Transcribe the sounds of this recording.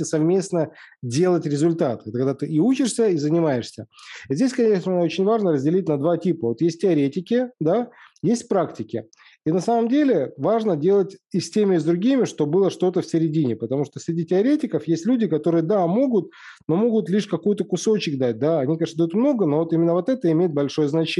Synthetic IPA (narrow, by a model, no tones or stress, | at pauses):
ɪsɐvmʲe̞snə | dʲe̞lˠətʲɾʲɪzʊlʲt̪at̪ɛt̪əkɐɡd̪at̪ɨiut͡ɕɪʂsʲəizənʲɪmaɪʂsʲəizʲdʲesʲkɐnʲeʂnəot͡ɕɪnʲvaʐnəɾəzʲdʲɪlʲitʲnɐd̪vatʲipəvo̞t̪jesʲt̚ʲtʲɪɐɾʲetʲɪkʲɪd̪ajesʲt̚ʲpɾaktʲɪkʲɪ | inɐsaməmdʲelʲɪvaʐnədʲe̞lˠətʲɪsʲtʲemʲɪʊzd̪ɾʊɡʲimʲɪʂt̪o̞bɨlˠəʂt̪o̞t̪əfsʲɪɾʲɪdʲinʲɪpət̪ɐmuʂt̪osʲɾʲɪdʲitʲɪɐɾʲetʲɪkəfjesʲtʲlʲudʲɪkɐt̪o̞ɾɨjəd̪amo̞ɡʊt̪̚ | no̞mo̞ɡʊt̪lʲiʂkɐkujʊt̪əkʊso̞t͡ɕɪk̚d̪at̚ʲd̪aɐnʲikɐd̪ɐjut̪mno̞ɡəno̞vo̞t̪imʲɪnːəvo̞t̪ɛt̪əɪmʲejɪt̪̚bɐlʲʂo̞jəznɐt͡ɕe